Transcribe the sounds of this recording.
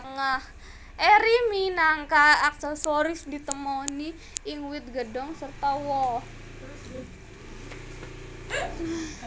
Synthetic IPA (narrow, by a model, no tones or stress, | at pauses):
ŋah | ʔɛɾiminaŋkaːk̚sɛsoɾɪsdit̪əmɔniː | ŋwɪt̪̚ɡədɔŋsərt̪awɔ